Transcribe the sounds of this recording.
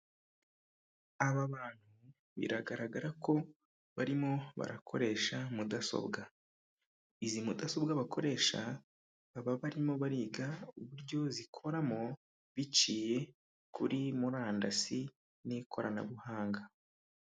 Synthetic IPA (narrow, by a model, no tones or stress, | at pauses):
aβaβaːn̥hu | βḭɾaɡaɾaɡaɾako̞ | βaɾimo̞βa̰ɾakʰo̞̰ɾe̞ːʃamudaso̰bɡa | izimudaso̞bɡaβakʰo̞ɾe̞ːʃa̰ː | βaβaɾimo̞βaɾiːɡauβuɾɟo̞zikʰo̞ɾamo̞ | βit͡ʃiːje̞ | kʰuɾimuɾaːndasi | nikʰo̞ɾana̰βuhaːŋɡa